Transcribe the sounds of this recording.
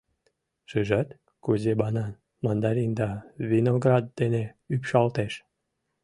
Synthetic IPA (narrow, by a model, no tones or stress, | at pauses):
ʃɨʒɑt̪ | kuzebɑnɑn | mənd̪ɑɾind̪ɑβinoɡrɑd̪̚ːeneypʃɑlt̪eʃ